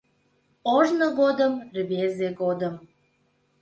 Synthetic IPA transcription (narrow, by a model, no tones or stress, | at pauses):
oʒnəɣod̪əmrβezeɣod̪əm